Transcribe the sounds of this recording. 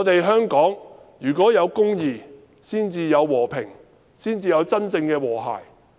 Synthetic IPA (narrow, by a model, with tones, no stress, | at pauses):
t̪e˨jɦœː˥ŋkɔː˨˥ŋjyː˨˩kʷɔː˨˥jɐ˨˧wkʊ˥ŋjiː˨˧ | siː˥nt͡siː˧jɐ˨˧wːɔː˨˩pʰɪ̰˨˩ŋ | siː˥nt͡siː˧jɐ˨˧wt͡sɐ˥nt͡sɪ˧ŋkɛː˧wɔː˨˩ɦa̰ː˨˩j